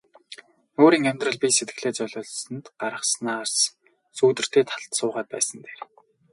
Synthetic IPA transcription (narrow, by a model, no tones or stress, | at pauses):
oːɾiːŋœmʲt̪rə̆ɮpʲiset̪ɡɘ̆ɮeːt͡sœɮʊːɮsə̆nt̪ɢaɾə̆χsnaːrs | suːt̪ɘ̆r̥t̪ʰeːt̪ʰḁɮt̪sʊːʁæːt̪̚pæ̰ːsə̆nt̪ʰeːr